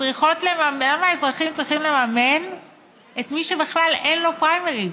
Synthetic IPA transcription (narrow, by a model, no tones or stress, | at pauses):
t͡sʁiχo̞tlemamlamaezʁaχimt͡sʁiχimle̞mamen | etmiʃebeχlalenlo̞pʁajmeʁi